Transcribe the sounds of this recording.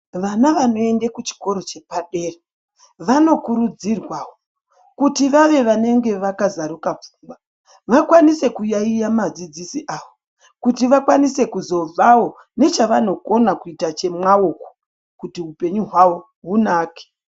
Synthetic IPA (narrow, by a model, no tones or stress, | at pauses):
ʋanaʋano̞e̞ndekut͡ʃi̥ko̞ɾo̞t͡ʃe̞paɗe̞ːra | ʋano̞kuɾud͡zirwaːwo | kutiʋaʋe̞ʋane̞ŋɡe̞ʋakazaɾukap͡fu̥mba | ʋakwanise̞kujaijamad͡zid͡zisiʔaːʋo̞ | kutiʋakwanise̞kuzo̞b͡vawo̞ | ne̞t͡ʃaʋano̞ko̞nakuitat͡ʃe̞mwaoko̥ | kutiɦupe̞ɲuɦwawo̞ | ɦunaːke̥